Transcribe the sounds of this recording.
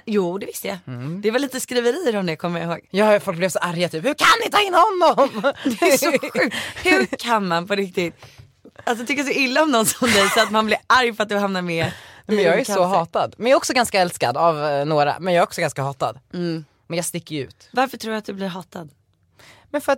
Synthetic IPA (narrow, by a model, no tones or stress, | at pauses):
juːd̪ɛvɪst̪əja̰d̪ɛvalːiːt̪əskɾiːvəɾiːəɾɔmd̪ɛkʰɔmːəjaɪhoːɡjɑːfɔlk̚blɛvsɔʔaɾjat̪ʰyːphɵɾkʰanːɪt̪ʰɑːɪnːhɔnːɔmd̪ɛsɔɧʉ̟ːk̪hɵɾkʰanmanpʰɔɾɪk̚t̪ɪt̪̚ | alsɔt̪ʰʏkːəjasɔɪlːaɔmnɔnsɔmd̪ɛjsɔat̪manblɪɾʔaɾjfœat̪d̪ɵhamnaɾmɛnɛmɛnjɑːɡæsɔɦɑːt̪ad̪mɛnjaːɾɔksɔɡanskaɛlska̰d̪avnoːɾa̰mɛnjɑːɛɾɔksɔɡanskahɑːt̪a̰d̪ | mɛnjɑːst̪ɪkːəjʉ̟̰ːt̪vaɾfəʈʰɾuːɾat̪̚d̪ɵblɪɾɦɑːt̪ad̪ | mɛnfœɾat̪